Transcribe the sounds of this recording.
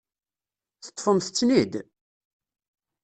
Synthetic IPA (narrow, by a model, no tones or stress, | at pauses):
θə̥t̪ˤːfəmθət͡sːnid̪